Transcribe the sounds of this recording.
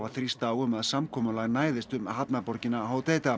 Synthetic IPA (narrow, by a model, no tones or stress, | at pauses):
vaθɾist̪aːwʏmaðsamkʰɔːmʏlaɣnaːjðɪst̪ʏmɦapnapɔɾcɪnaɦaːwt̪eːjt̪a